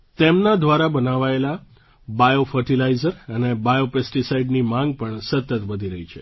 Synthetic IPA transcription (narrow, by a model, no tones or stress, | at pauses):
t̪emnad̪ʋaɾabənaʋaela | bajofəɾʈilaizəɾənebajopesʈisaiɖnimãŋɡ̚pəɳsət̪ət̪ʋəd̪ʱiɾəɦit͡ʃʰḛ